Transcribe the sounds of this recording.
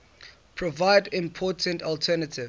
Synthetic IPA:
pʰɹɔvaɪdĩmpʰɔtʰə̃ntɔltʰɛnatʰɪv

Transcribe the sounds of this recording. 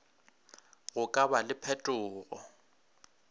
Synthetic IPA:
ɣʊkʼabalɪpʰɛtʼʊːɣɔ

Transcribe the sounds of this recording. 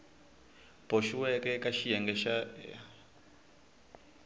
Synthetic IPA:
b̥oʃuwɛkɛkʼaʃijɛŋɡɛʃaɛa

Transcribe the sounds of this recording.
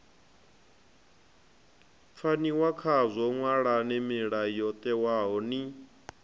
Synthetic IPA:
p̪fʰaniwakʰazʷɔŋwaɺanɛmiɺajɔt̪ʼɛwaɦɔni

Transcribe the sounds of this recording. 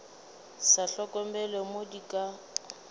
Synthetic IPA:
saɬɔkʼɔmbɛlemodikʼa

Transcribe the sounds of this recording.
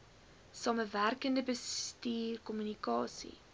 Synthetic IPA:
sɑːməværkəndəbəstiːrkɔmynikɑːsḭ

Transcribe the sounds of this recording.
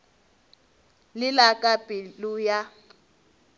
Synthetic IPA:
lɪlakʼapʼiluja

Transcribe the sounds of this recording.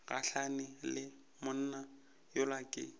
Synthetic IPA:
ɣa̰ɬanɪlɪ | mʊn̩ːna | jʊlakʼɪ̰

